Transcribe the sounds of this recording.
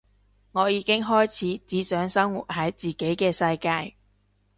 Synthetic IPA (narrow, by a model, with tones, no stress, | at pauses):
ŋɔː˨˧jiː˨˧kɪ˥ŋɦɔː˥jt͡sʰiː˨˥t͡siː˨˥sœː˨˥ŋsɐ˥ŋwṵː˨˩t̚hɐ˨˥jt͡siː˨ke˨˥jkɛː˧sɐ˧jkaː˧j